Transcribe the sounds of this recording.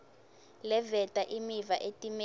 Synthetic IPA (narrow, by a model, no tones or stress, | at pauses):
lɛvɛtʼaʔimivaʔetʼim